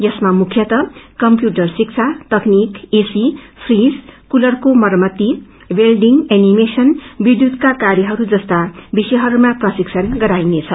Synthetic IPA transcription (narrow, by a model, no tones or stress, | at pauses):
jʌsmamukʰjʌt̪ʌkʌmpjuʈʌrsik̚t͡sʰat̪ʌknikesi | pʰrizkulʌrkomʌɾmʌt̪ːi | welɖiŋɡenimesʌnbid̪jud̪kakaɾjʌɦʌɾud͡zʌst̪abisʌɦʌɾumaprʌsiksʰʌnɡʌɾajnet͡sʰʌ